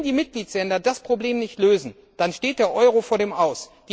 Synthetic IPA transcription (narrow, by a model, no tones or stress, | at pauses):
ndiːmɪt̚ɡ̥liːtslɛndɐdaspʁ̥obleːmnɪçtløːzn̩ | d̥anʃteːt̚d̥eːɐʔɔʏʁofoːɐdeːmʔaʊsd̥iː